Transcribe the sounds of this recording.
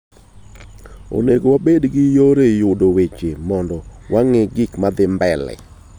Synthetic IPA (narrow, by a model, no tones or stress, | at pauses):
o̰neɡowabedɡɪjoɾejʊdowet͡ʃemɔndɔwaŋɪɡɪkmad̪ɪmbɛlɛ̰